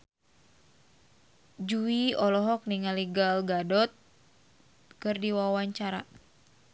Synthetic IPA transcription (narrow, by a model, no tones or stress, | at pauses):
d͡ʒuiɔlɔɦɔk̚niŋaliɡalɡadɔt̪̚ | kɨrdiwawaɲt͡ʃaɾa̰